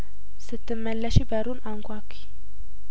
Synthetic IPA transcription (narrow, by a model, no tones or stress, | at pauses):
sɨt̪ʰːɨmːəlːəʃibəɾunaŋkʷakʰːi̥